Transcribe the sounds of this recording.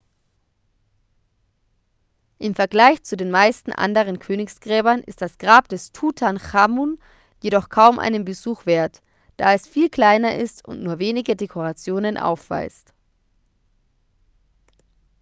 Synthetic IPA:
ʔɪmfɛɐɡlaɪçt͡sudeːnmaɪstn̩ʔa̰ndəʁənkʰøːnɪksɡ̥ʁɛːbɐnʔɪ̰st̚d̥asɡ̥ʁaːp̚d̥ɛstʰuːtʰanχamun | jedɔχkʰaʊmʔa̰ɪnənbəzuːxv̥eːɐt | d̥aːɛsfiːlkl̥aɪnɐʔɪstʊ̰ntnuːɐveːnɪɡədekʰoʁat͡sjoːnənʔa̰ʊfv̥a̰ɪst

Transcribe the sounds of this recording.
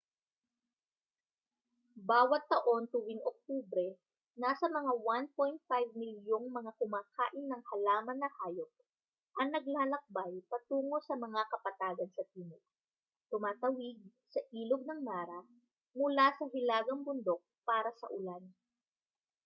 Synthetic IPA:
baːwɐt̪ːɐʔo̞nt̪ʊwɪŋʔok̚t̪uːbɾɛ | naːsɐmɐŋawan̚po̞jnt̪̚fajvmɪljoŋmɐŋakʊmaːkʰaːʔɪnːɐŋhɐlaːmɐnːɐhaːjok̚ | ʔɐŋnɐɡ̚laːlɐk̚bajpɐt̪uːŋo̞sɐmɐŋakɐpɐt̪aːɡɐnsɐp̪iːnʊk̚ | t̪ʊmaːt̪ɐwɪɡ̚sɐʔiːloɡ̚nɐŋmaːɾɐ | mʊlasɐɦɪlaːɡɐŋbʊnd̪o̞k̚paːɾɐsɐ̰ʔʊlan

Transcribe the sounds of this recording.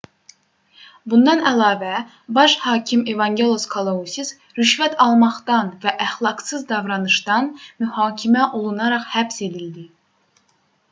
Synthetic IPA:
bund̪ɑnælˠɑːvæ | bɑʃhɑːcʰimevɑŋɡʲe̞lˠoskʰolˠousʲis | ɾyʃvæt̪ʰɑlˠmɑχt̪ɑnvæʔæχlˠɑɡsɯzd̪ɑvɾɑnɯʃt̪ɑnmyhɑːcʲʰimæʔolˠunɑɾɑχhæbse̞d̪ild̪i

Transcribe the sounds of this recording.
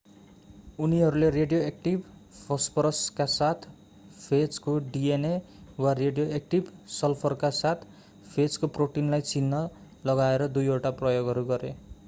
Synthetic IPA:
uniɦʌɾulereɖjoek̚ʈibpʰʌspʰʌɾʌskasat̪ʰ | pʰet͡skoɖiene | wareɖijoek̚ʈibsʌlpʰʌrkasat̪ʰ | pʰet͡skoproʈinlajt͡sinːʌ | lʌɡaeɾʌd̪ujoʈaprʌjoɡʱɦʌɾuɡʌɾe

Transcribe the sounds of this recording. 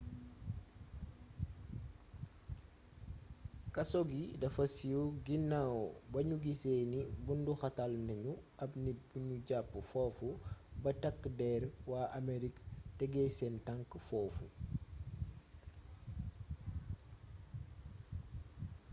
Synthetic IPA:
kɐsɔɡidɐfɐsijuɡinːawbɐɲuɡiseːnibunduxɐtalnɐɲuɐpnit̚buɲuɟapːəfɔːfubɐtɐkːdɛɾwaːɐmeɾiktɛɡɛsɛntaŋkfɔːfṵ

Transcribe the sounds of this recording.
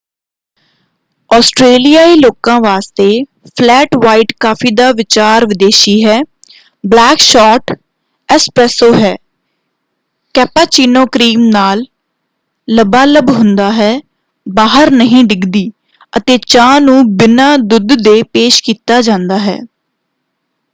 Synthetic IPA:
ɔːsʈɾeːlijaːiːloːkãːʋaːst̪eː | pʰlɛːʈʋaːiːʈkaːpʰiːd̪aːʋɪt͡ʃaːɾʋɪd̪eːʃiːɦɛː | blɛːkʃɔːʈ | ɛːspɾɛːsoːɦɛː | kɛːpaːt͡ʃiːnoːkɾiːmnaːlː | əbaːləbɦʊnd̪aːɦɛː | baːɦəɾnəɦĩːɖɪɡd̪iː | ət̪eːt͡ʃãːnũːbɪnaːd̪ʊd̪ːeːpeːʃkiːt̪aːd͡ʒãːnd̪aːɦɛ̰ː

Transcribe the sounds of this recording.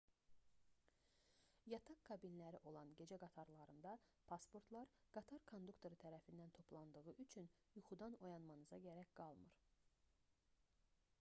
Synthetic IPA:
jɑt̪ʰɑkkʰːɑbinlæɾiʔo̞lˠɑnɟe̞d͡ʒæɡɑt̪ʰɑɾlˠɑɾɯnd̪ɑpʰɑspʰo̞ɾt̪ʰlˠɑɾɡ̥ɑt̪ʰɑɾkʰond̪ukt̪ʰo̞ɾɯt̪ʰæɾæfind̪ænt̪ʰo̞pʰlˠɑnd̪ɯɣɯʔyt͡ʃʰyn | juχud̪ɑno̞jɑnmɑnɯzɑ̰ɟæɾæcɡ̥ɑlˠmɯ̰ɾ

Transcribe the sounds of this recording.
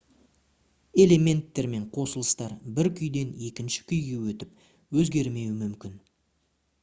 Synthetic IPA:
e̞le̞me̞nt̪ːe̞ɾme̞ɴqʰo̞səlˠəst̪ɑɾbɪɾkʲʰʏjd̪e̞ne̞kʲɪnʃɪ̥kʲʰʏjɡʲe̞wɵt̪ɪp̚ | wɵzɡʲe̞ɾme̞wɪmʏmkʲɪn

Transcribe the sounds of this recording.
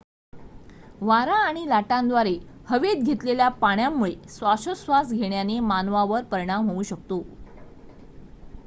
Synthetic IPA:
ʋaɾaːɽ̃ilaʈãnd̪ʋaɾehəʋed̪̚ɡʱet̪leljapaɳjamːuɭesʋaɕəsʋasɡʱeɳjanemanʋaʋəɾpəɾɽ̃amɦouːɕək̚t̪o

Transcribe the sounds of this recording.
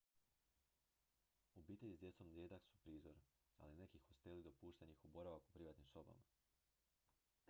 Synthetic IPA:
ubiːt̪e̞ʎʲizd̪je̞t̪so̞md̪jed̪aksu̥pɾiːzo̞ɾ | a̰line̞kixo̞st̪e̞lid̪opuːʃt̪enixubo̞ɾaʋakupɾiʋaːt̪nimso̞ba̰ma

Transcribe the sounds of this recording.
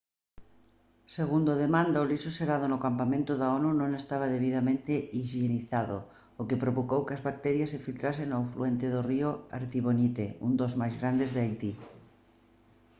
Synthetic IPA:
seɣ̞und̪oðemãnd̪aolisoseɾað̞onokampamẽnt̪oðaonunõŋest̪aβ̞aðeβ̞iðamẽnt̪eiʒeniθaðo̰ | okepɾoβokowkeazβak̚t̪ɛɾjasːefilt̪ɾasenawfluent̪eðorioa̰ɾt̪iβonit̪eund̪ozmajzɣɾand̪ezðeajt̪i

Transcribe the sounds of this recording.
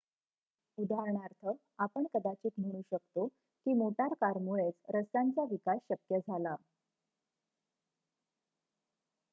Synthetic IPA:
ud̪aɾɳaɾt̪ʰə | apəɳkəd̪at͡ɕiːt̪m̤əɽ̃uːɕəkt̪o | kiːmoʈaɾkaɾmuɭet͡sɾəst̪ant͡saʋikasɕəkjəd͡zʱala

